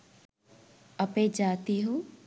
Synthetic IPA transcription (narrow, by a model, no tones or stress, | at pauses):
əpẽd͡ʒaːt̪iɦoː